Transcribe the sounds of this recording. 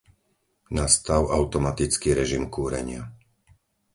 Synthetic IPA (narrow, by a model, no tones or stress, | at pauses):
nast̪aʊaʊt̪ɔmat̪it͡skiɾɛʒimkuːɾɛ̰ɲɪa